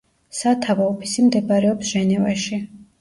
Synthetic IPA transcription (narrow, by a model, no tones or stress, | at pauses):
sat̪ʰavaɔpʰi̥simd̪ɛbaɾɛɔpsʒ̥ɛnɛvaʃi